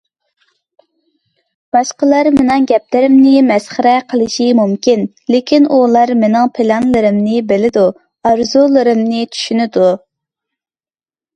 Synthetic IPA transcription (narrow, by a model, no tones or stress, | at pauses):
b̥ɑʃqəlˠɑɾmenɪŋɡʲɛp̚lɪɾɪmnɪmɛsχəɾɛqʰəlˠɨʃimumkʲin | lekʲʰinulˠɑɾmenɪŋpʰɪlɑnlˠɨɾɪmnɪbɪlɪd̪u | ɑɾzulˠɨɾɨmnɪt͡ʃ̪ʰy̥ʃynɪd̪u